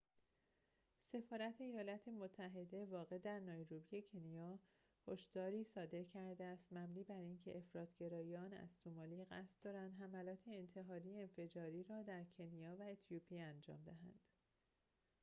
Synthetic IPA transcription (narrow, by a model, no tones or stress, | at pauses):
se̞fɒːɾæt̪ʰeːjɒːlɒt̪ʰe̞mot̪ʰːæɦe̞d̪e̞vɒːɣe̞d̪æɾnɒːjɾubije̞cʰe̞nijɒː | hoʃd̪̥ɒːɾiːsɒːd̪e̞ɾcʰæɾd̪eæst̪mæbniːbæɾiːncʰe̞ʔefɾɒːt̪ʰɟe̞ɾɒːiɒːnæ̰zsomɒːliːɣæ̰st̪d̪̥ɒːɾænd̪ɦæmælɒːt̪ʰeːnt̪ʰe̞ɦɒːɾiːjeenfe̞d͡ʒɒːɾiːɾɒːd̪æɾcʰe̞nijɒːvæet̪ʰjupʰiænd͡ʒɒ̰ːmd̪eɦæ̰nd̪̥